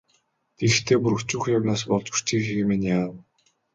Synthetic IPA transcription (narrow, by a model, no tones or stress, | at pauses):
t̪ʰext̪ʰeːpuɾɵ̆kt͡ɕuːxjawnaːs̬pɔɮt͡ɕu̥t͡ɕiːxiɣemenjaː